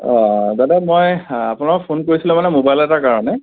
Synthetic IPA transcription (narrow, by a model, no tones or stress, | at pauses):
ɔzadɛmojapʊnakkpʰonkoɹisilɛ̃manɛmobajlɛtakaɹɔnɛ